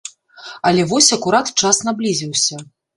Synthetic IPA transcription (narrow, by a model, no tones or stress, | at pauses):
ɐlʲɛvɔsʲɐkuɾat̪t͡ʂasnablʲizʲiwsʲɐ